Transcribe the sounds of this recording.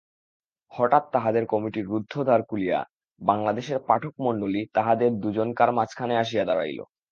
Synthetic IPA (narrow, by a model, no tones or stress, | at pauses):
hɔʈat̪ːaɦad̪eɾkɔmiʈiɾːud̪ʱːod̪ʱaɾkulija̰ | baŋlad̪eʃeɾpaʈʰok̚moɳɖolit̪aɦad̪eɾd̪ud͡ʑonkaɾmat͡ɕʰkʰaneaʃ̬iad̪aɾa̰jlo̰